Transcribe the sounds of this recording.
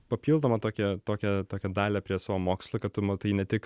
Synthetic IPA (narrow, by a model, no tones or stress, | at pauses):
pɐpʲiːlˠd̪oːmɐt̪oːkʲɛt̪oːkʲɛt̪oːkʲɛd̪ɑːlʲɛpʲɾʲiɛsɑːʋoːmoːkslˠoːkɐt̪t̪ʊmɐt̪ɐɪnʲɛt̪ʲɪk